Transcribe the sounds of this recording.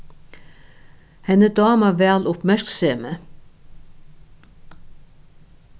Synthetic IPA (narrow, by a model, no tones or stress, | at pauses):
hɛnəd̪ɑːmɑʋæːlʊpmæɹkseːmə